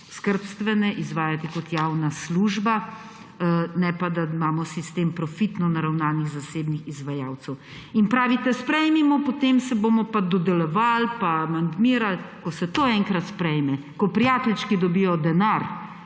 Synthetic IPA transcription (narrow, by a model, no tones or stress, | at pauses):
skəɾpst̪ʋɛnɛʔizʋaːjat̪ikɔt̪jaːwnasluːʒba | nɛpad̪aimaːmɔsist̪eːmpɾɔfit̪nɔnaɾawnaniɣzaseːbnixizʋajaːwt̪sɛw | inpɾaːʋit̪ɛspɾɛjmimɔpot̪emsɛbomɔpad̪ɔd̪ɛlɔʋalpamand̪miːɾalkɔsɛt̪oɛŋkɾat̪spɾɛjmɛ | kɔpɾijaːt̪ɛlt͡ʃkid̪ɔbijɔd̪ɛnaɾ